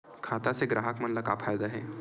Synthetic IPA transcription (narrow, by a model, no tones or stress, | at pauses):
kʰat̪at͡seɡɾaɦəkmənlakapʰajd̪aɦe